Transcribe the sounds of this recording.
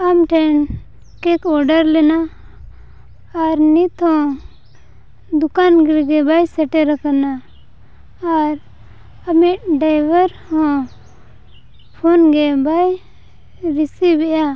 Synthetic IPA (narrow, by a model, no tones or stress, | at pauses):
amʈʰɛn | kɛkɔɾɖəɾlɛna | ɾnit̪hɔ̃ | d̪ukanɡiɾɡɛbajsɛʈɛɾakana | ɾ | amiʈ̚ɖajbəɾhɔ̃ | pʰɔnɡɛbaj | ɾisibɛʔja